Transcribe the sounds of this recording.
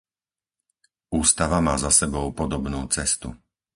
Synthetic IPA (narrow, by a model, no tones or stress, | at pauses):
uːst̪aʋamaːzasɛbɔʊpɔd̪ɔbnuːt͡sɛst̪ṵ